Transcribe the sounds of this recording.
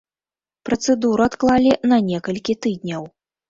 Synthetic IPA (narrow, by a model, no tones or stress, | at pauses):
pɾɐt̪sɛd̪uɾɨat̪klˠalʲinɐnʲɛkɐlʲkʲit̪ɨd̪ʲnʲɐw